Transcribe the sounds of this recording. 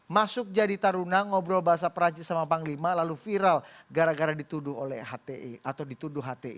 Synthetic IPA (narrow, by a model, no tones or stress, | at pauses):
masʊk̚d͡ʒadit̪aɾunaŋɔbɾobaɦas̬apəɾat͡ʃisamapaŋlimalalufiɾal | ɡaɾaɡaɾadit̪udʊɦolɛhɦat̪eat̪awdit̪udʊɦːat̪eḭ